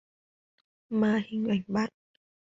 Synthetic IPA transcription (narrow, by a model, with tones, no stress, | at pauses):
maː˧hi˨˧˩ŋ̟ʔa˨˩jŋ̟ɓa˦˥t̚